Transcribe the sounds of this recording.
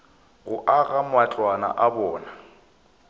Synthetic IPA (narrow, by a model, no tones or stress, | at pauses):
ɣʊʔaɣamwat͡ɬʼwana̰ʔabɔːna